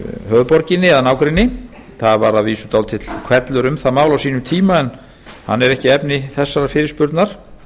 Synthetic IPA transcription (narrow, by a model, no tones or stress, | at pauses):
ɦœːðpɔɾcɪnːɪɛðanaːwkɾɪnːɪ | θaðvaɾaðviːsʏt̪aw̪t̪ʰɪt̪l̥kʰvɛɾt̪lʏɾʏmθaðmaːwlawsiːnʏmt̪ʰiːmaɛn | ha̰nːɛɾɛhcɪɛpnɪθɛsːaɾafɪːɾɪspʏɾt̪naɾ̥